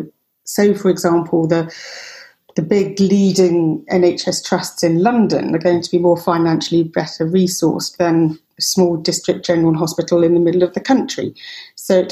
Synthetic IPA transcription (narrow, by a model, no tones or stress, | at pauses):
səʊfəɹɪɡzɑ̃ˑmpʰəlˠðə | ðəbɪɡliːdɪ̃ŋɛ̰̃neɪt͡ʃɛstʰɹ̥ʌstsɪ̃nlʌ̃ndə̰̃nə̰ɡəʊɪ̃ŋtʰəbimɔːfãɪnãnʃəlibɛtʰəɹiːsɔ̰ˑsðə̃n | əsmɔːlˠdɪstɹ̥ɪk̚d̥ʒ̥ɛnəɹəl̩ˠɦɒspɪtˡl̩ˠɪ̃nðəmɪdˡl̩ˠəvðəkʰʌ̃nt͡ʃɹ̥ḭsəʊɪt